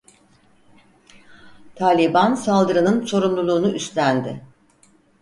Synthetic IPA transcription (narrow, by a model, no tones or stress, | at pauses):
t̪ʰaːlʲibansalˠd̪ɯɾɯnɯnso̞ɾunlˠulˠuːnuʔyst̪ʰænd̪ɪ